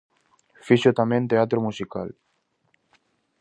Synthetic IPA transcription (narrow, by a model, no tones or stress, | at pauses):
fiʃot̪amẽnt̪eat̪̬ɾomusika̰l